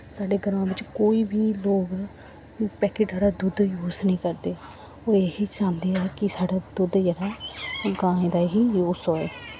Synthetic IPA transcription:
saːɖeːɡəɾmãːʋɪt͡ʃkoːiːbʱiːloːɡ | pɛːkeːʈaːɽaːd̪ʊd̪juːsnəĩːkəɾd̪eː | oːeːɦiːd͡ʒãːnd̪eːɛːkɪsaːɖaːd̪ʊd̪d͡ʒɛɽaːɡãːẽːd̪aːɦiːjuːsɦoːeː

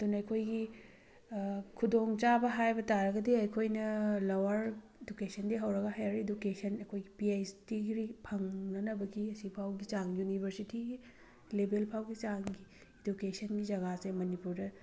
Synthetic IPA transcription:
ɐdunɐɐjkʰojɡi | kʰudoŋt͡ʃabɐɦajbɐtaɾɐɡɐdiɐjkʰojnɐlowɐɾ | edukesʰɐndiɦɐwɾɐɡɐɦajaɾedukesʰɐnɐkʰojɡipiejstiɡɾipʰɐŋnɐnɐbɐɡiɐsipʰawɡit͡ʃaŋjunibʱɐɾsitiɡi | lebelpʰawɡit͡ʃaŋɡi | edukesʰɐnɡid͡ʒɐɡasemɐnipuɾdɐ

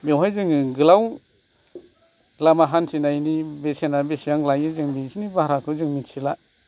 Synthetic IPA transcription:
bewɦajzɯŋɡɯlaw | lamaɦansinajnibesenabesijaŋlajɯzɯŋbisinibaɾakʰɯzɯŋmitsila

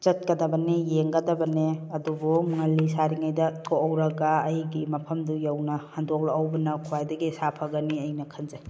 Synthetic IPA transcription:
t͡ʃɐt̚kɐdɐbɐnejeŋɡɐdɐbɐneɐdubɔmɯŋalːisaɾiŋajdɐkʰoɐwɾɐɡaːjɡimɐpʰɐmdujawnɐhandok̚laɐwbɐnɐkʰuwajdɐɡisapʰaɡɐniɐjnɐkʰɐnzaj

